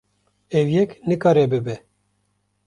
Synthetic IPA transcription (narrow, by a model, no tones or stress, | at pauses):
ɛwjɛknɨkɑːɾɛbɨbɛ